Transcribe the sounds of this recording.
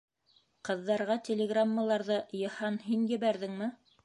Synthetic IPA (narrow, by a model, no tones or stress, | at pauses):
qɤ̆ðːɑɾʁɑt̪ʲelʲeɡramːalˠɑɾðɤjɤ̆hɑnɦinjɘ̆βæɾðɘŋmɘ